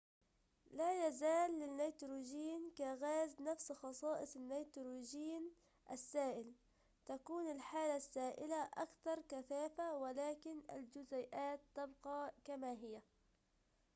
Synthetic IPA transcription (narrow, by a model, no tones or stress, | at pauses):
lajazaːlːɪnːajt̪ɾuːd͡ʒiːnkaɣaːznafsxɑsˤɑːʔɨsˤɪnːajt̪ɾuːd͡ʒiːn | ʔa̰sːaːʔɪl | t̪akuːnɪlħaːlasːaːʔɪlaʔakθɑɾˤkaθaːfawɪlaːkɪna̰ld͡ʒʊzajʔaːt̪ːɑbqɑːkamaɦɪjːa